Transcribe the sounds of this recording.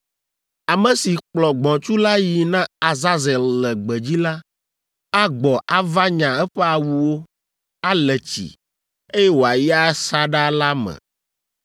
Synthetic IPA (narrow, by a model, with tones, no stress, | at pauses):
a˨mɛ̃˨si˨k͡plɔ˨ɡ͡bɔ̃˨t͡ʃu˦la˦ji˨nã˦a˨za˦zɛ˨lːɛ˨ɡ͡bɛ˨d͡ʑi˦la˦ | a˦ɡ͡bɔ˨ʔa˦va˦ɲã˨ɛ˦ɸɛ˦a˨wu˨wo˦ | a˦lɛ˨t͡ɕḭ˨ | e˦jɛ˦wo˨a˨ji˦a˦sa˦ɖa˦la˦mɛ̰̃˨